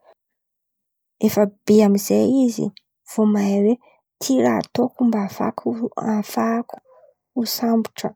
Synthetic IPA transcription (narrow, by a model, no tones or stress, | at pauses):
efəb̥iamizeizḭ | v̥omajwe | t̪ʰiɾaːt̪okumbafa̰kʰuafaku̥ | usambu̥ʈ͡ʂə